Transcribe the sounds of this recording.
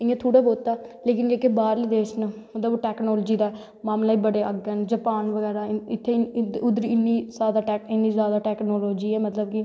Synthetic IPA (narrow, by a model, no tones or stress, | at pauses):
ɪ̃ãːt̪ʰuːɽaːboːt̪aːleːkɪnd͡ʒeːkebaːɾliːd̪eːsnəmət̪ləboʈɛːknɔːlːd͡ʒiːd̪aː | maːmlaːiːbəɽeːəɡɛːnd͡ʒəpaːnʋəɡɛːɾaːɪt̪ʰːeʊd̪əɾɪnːiːsaːd̪aːɛːkɪnːiːzjaːd̪aːʈɛːknoːloːd͡ʒiːɛːmət̪ləb̚kɪ